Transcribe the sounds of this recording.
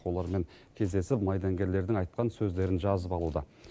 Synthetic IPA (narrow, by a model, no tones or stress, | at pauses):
olˠɑɾme̞ŋ | kʲʰe̞zd̪e̞sɪpmɑjd̪ɑŋɡʲe̞ɾle̞ɾd̪ɪŋɑjt̪̚qɑnsɵzd̪e̞ɾɪnʒɑzəpɑlˠud̪ə